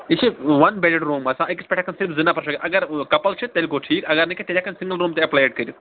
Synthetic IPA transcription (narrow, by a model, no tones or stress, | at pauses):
it͡ʃʰiʋɐnbelɖɾuːmɐsãːiki̥spɛʈʰakʰɐnsɪɾfzɪnapɐɾʃ̬ɐkeʔɐɡɐɾkɐpɐlt͡ʃʰit̪ːelʲkoːʈʰiːkɐɡɐɾnɐkʰet̪elʲjakɐnsɪ̃ŋɡəlɾuːmt̪eɐplajeːʈ̚kɐɾji